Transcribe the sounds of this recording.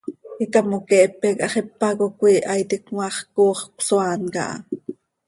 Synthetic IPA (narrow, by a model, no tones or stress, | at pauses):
ikɑmokɛʔpːɛkʔɑχɛpːɑkokʷiːʔɑjt̪ikŋwɑχkoːχkʷsoaːnkɑ̰ʔɑ̰